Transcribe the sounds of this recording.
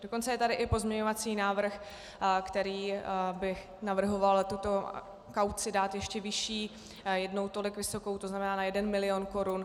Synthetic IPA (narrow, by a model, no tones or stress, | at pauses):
do̞ko̞nt͡sɛjɛt̪adɪʔɪpo̞zmɲɛɲo̞vat͡siːnaːvr̩x | kt̪ɛɾiːbɪ | navr̩ɦo̞valt̪ut̪o̞ | kawt͡sɪdaːt̪jɛʃcɛvɪʃiː | jɛdno̞wt̪o̞lɪkvɪso̞ko̞wt̪oznamɛnaːnajɛdɛnmɪlɪonko̞ɾun